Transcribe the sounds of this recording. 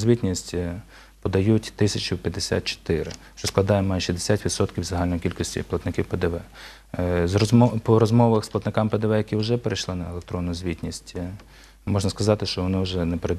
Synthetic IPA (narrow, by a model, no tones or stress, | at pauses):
zʲʋʲitʲnʲisʲtʲ | pɔd̪ɐjutʲt̪ɪsʲɐt͡ʃʊpʲjɐd̪ːesʲa̰t̪̚t͡ʃɔ̥t̪ɪɾɪ̰ʃt͡ʃɔsklˠɐd̪ɑjɛmɑjʃizd̪esʲatʲʋʲid̪sɔt̪kʲiwzɐɦɑlʲnɔjikʲilʲkɔsʲtʲḭplˠɐt̪nɪkʲiwpɛd̪ɛʋɛ | zpɔɾɔzmɔʋɐxsplˠɐt̪nɪkɑmpɛd̪ɛʋɛjɐkʲiwʒɛpeɾejʃlˠɪnɐelˠekt̪ɾɔnːʊjʊzʲʋʲitʲnʲisʲtʲ | mɔʒnɐskɐzɑt̪ɪʃt͡ʃɔʋɔnɪʊʒɛnɛpeɾed̪